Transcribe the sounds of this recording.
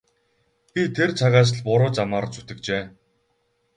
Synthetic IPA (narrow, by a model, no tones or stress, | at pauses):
pʲit̪ʰert͡sʰaʁaːs̬̆ɮpʊɾʊːt͡samaːɾt͡sut̪ɘ̆kt͡ɕeː